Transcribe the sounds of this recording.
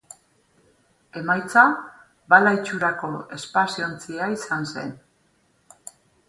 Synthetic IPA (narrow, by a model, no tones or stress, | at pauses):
e̞majt͡sa | balajt͡ʃuɾako̞e̞spasio̞nt͡siaisanse̞̰n